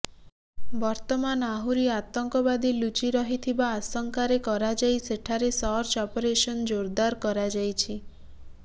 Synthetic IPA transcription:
bɔɾt̪ɔmanaɦuɾiat̪ɔŋkɔbad̪ilut͡ʃiɾɔɦit̪ʰibaːsɔŋkaɾekɔɾad͡ʒajseʈʰaɾesɔɾt͡ʃɔpoɾesɔnd͡ʒoɾd̪aɾkɔɾad͡ʒajt͡ʃʰi

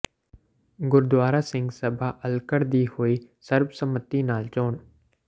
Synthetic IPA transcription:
ɡʊɾd̪ʋaːɾaːsɪ̃ŋɡsəbʱaːʔəlkəɾd̪iːhoːiːsəɾbsəmət̪inaːlt͡ʃoːn

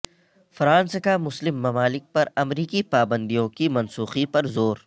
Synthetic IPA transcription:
fɾãːnskamʊslɪmːɐmaːlɪk̚pɐɾɐmɾiːkipaːbə̃nd̪ijõkimɐ̃nsuːxipɐɾzoːɾ

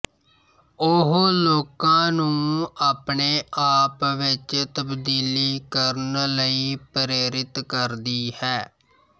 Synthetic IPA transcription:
ʊɦloːkãːnũːaːpɳeːʔaːpʋɪt͡ʃt̪əbd̪iːliːkəɾnləiːpɾeːɾɪt̪kəɾd̪iːhɛː

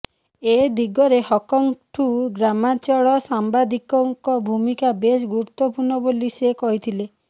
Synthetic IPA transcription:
ed̪iɡɔɾehɔkɔŋʈʰuɡɾamat͡ʃɔɭɔsambad̪ikɔŋkɔbʱumikabes̬ɡuɾut̪ːɔpuɾɳɔbolisekɔɦit̪ʰile

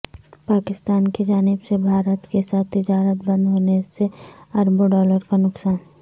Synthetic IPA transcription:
paːkɪst̪aːnkid͡ʒaːnɪbsebʱaːɾət̪kesaːt̪ʰːɪd͡ʒaːɾət̪̚bɐ̃nd̪ɦoːneseɐɾboɖɔːləɾkanʊksaːn

